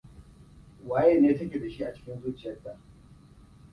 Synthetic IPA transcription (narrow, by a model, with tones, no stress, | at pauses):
waː˦je˦neː˦tɐ˦kʲeː˨da˨ʃi˦ʔa˨t͡ʃɪ̥˦kʲɪ˦nzuː˦t͡ʃɪ˨jɐ˦tːa˨